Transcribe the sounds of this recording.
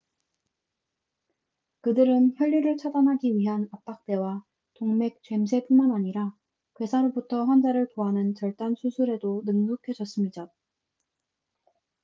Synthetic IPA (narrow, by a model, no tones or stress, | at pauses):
kɯdɯɾɯnçjʌʎːiɾɯɭt͡ɕʰadanɦaɡiɥiɦanap̚p͈ak̚t͈e̞wa | toŋme̞k̚t͡ɕwe̞msʰe̞pumanaɲiɾa | kwe̞sʰaɾobutʰʌɸwʌnd͡ʑaɾɯɭtoɦanɯnt͡ɕʌɭt͈ansʰusʰuɾe̞donɯŋnokʰe̞d͡ʑʌs͈ɯmɲida